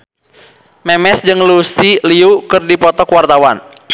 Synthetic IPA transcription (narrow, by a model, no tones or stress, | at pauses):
mɛmɛsd͡ʒɨŋlusiliukɨrdipɔt̪ɔkuwart̪awan